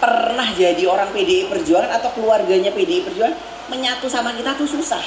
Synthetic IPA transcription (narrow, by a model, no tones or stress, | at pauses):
pərnahd͡ʒadioɾaŋpedeipərd͡ʒualanat̪awkəluarɡaɲapedeipərd͡ʒualan | məɲat̪usamakit̪at̪ususah